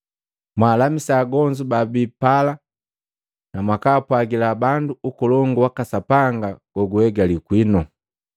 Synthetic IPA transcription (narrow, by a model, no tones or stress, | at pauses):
mwaːlamisaːɡɔɲd͡ʒubabipala | namwakaːpwaɡilabanduːkɔlɔŋɡuwakasapaŋɡaɡ̥ɔɡuhɛɡalikwinɔ